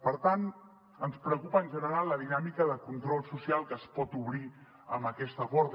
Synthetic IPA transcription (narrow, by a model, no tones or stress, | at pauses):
pəɾt̪an | ənspɾəkupəːnʲʒənəɾallːəðinamikəðəkunt̪ɾɔlˠsusialˠkəːspɔt̪uβ̞ɾi | əmbəkɛst̪əkɔɾt